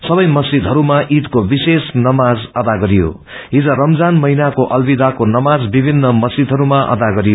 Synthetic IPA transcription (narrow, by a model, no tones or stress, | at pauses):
sʌbʌjmʌsid̪ʱɦʌɾumaʔid̪kobisesnʌmad͡zʌd̪aɡʌɾijo̰ | ɦid͡zʌrʌmd͡zanmʌɦinakoʔʌlbid̪akonʌmad͡zbibʱinːʌmʌsid̪ʱʌɾumaʔʌ̰d̪aɡʌɾijo